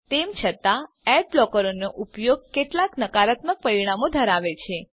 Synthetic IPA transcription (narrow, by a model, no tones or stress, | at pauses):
t̪emt͡ʃʰət̪a | ɛɖ̚blɔkəɾonoʔupjoɡ̚keʈlaknəkaɾat̪mək̚pəɾiɽ̃amod̪ʱəɾaʋet͡ʃʰe